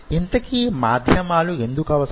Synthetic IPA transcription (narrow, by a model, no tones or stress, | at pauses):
int̪ɐkimaːd̪ʱjɐmaːlue̞nd̪ukɐʋɐs